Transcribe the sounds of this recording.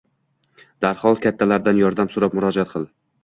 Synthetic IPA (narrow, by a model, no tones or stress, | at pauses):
d̪̥aɾhɒlˠkʲʰat̪ʰːalaɾd̪anjɒɾd̪amsʊɾapmʊɾɒd͡ʒat̪̚qʰɨlˠ